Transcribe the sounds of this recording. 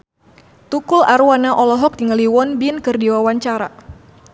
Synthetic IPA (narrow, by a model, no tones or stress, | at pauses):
t̪ukulaɾuwanaʔɔlɔɦɔk̚diŋəliwɔnbinkərdiwawaɲt͡ʃaɾa̰